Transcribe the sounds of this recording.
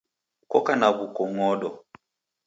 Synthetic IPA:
kɔkanaβukɔŋɔɗɔ

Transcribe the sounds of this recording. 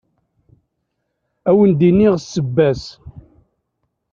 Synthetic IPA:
æwənd̪inːiʁsːəbːæs

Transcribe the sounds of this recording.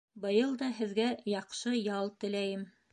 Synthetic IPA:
bɤ̆jɤlˠd̪ɑɦɘ̆ðɡæjɑqʃɤjɑlˠt̪ɘ̆læjɘm

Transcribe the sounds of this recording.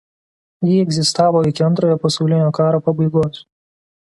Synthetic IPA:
jiːɛɡzʲɪst̪ɑːʋoːɪkʲɪɐnt̪ɾoːjopɐsɔʊlʲɪnʲoːkɑːɾoːpɐbɐɪɡoːs

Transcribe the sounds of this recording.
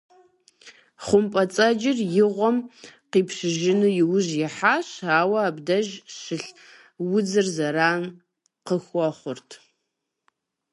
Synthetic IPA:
χʷʊmpʼɐt͡sʼɐd͡ʒɪrjɪʁʷɔmqiːpɕɪʒɪnɨjɪwʊʑjɪħaːɕaːwɐaːbdɐʒɕɪɬ | wʊd͡zɨrzɐɾaːn | qəxʷɔχʷʊrtʰ

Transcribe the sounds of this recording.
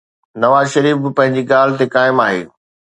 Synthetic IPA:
nɐʋaːzʃɐɾiːfbɪpɐ̃ɦɪ̃ɲd͡ʑiɠaːl̤ɪ̆t̪ekaːɪmaːɦḛː

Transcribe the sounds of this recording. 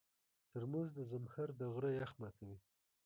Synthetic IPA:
t̪əɾmuzd̪əzamhaɾd̪əɣɾəjaxmɑt̪ʰawi

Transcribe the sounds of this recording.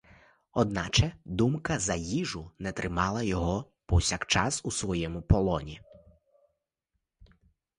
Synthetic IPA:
ɔd̪nɑt͡ʃɛd̪umkɐzɐjiʒʊnɛt̪ɾʔɪmɑlˠɐjɔɦɔ | pɔwsʲakt͡ʃɑsusʋɔjɛmʊpɔlˠɔnʲi

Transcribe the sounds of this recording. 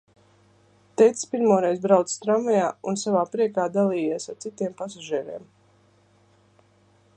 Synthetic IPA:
t̪ɛjt̪sspiɾmuːɾɛjzbɾawt̪sst̪ɾamajaːunsavaːpɾiɛkaːd̪alˠiːjisaɾt̪sit̪iɛmpasaʒiɛɾiɛm

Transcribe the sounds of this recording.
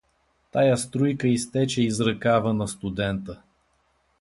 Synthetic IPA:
t̪ajast̪ɾujkəist̪ɛt͡ʃɛizɾɐkavənɐst̪ud̪ɛnt̪ə

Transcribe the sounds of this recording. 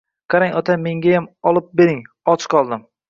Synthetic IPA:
qʰɑɾaŋɒt̪ʰame̞ŋɡʲajamɒlˠɪp̚beɾɪŋ | ɒt͡ʃʰqʰɒlˠd̪ɪm

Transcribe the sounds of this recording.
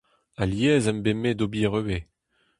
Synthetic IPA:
aljɛːzɛmbemed̪obiʁøwe

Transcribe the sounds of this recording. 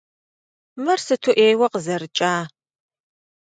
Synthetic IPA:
mɐrsɨtʰuʔeːjwɐqəzɐrɨt͡ʃʼaː

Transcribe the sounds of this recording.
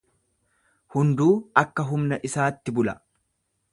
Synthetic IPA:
hʊnd̪uːɐkːɐɦʊmnɐʔɪsaːt̪ːɪbʊlɐ

